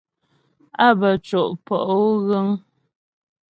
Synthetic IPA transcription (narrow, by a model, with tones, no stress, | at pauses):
a˦bə˨t͡ʃɔ˨ʔpɔ˨ʔo˦ɣə˦ŋ